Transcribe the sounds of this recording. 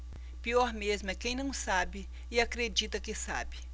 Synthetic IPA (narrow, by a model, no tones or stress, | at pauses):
piɔɾmezmʊɛkẽj̃nɐ̃w̃sabɪ | ɪakɾed͡ʒit̪ɐkɪsa̰bɪ